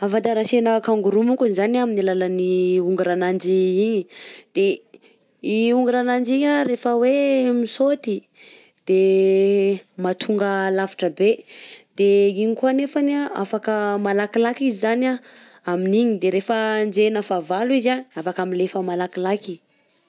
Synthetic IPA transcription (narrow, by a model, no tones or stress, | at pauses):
avad̪aɾasenəkaŋɡuɾumuŋkuizanaminilalaniuŋɡuɾanand͡ʒiiɲid̪̥e | iuŋɡuɾanand͡ʒiɲaɾefəwemisot̪i | d̪̥e | mat̪ʰuŋɡəlavi̥ʈ͡ʂəbed̪̥eiɲikuanefanaa̰fakəmalakilakizizana | aminiɲid̪eɾefənd͡ʒenəfavaluizaafakamilefəmalakilaki̥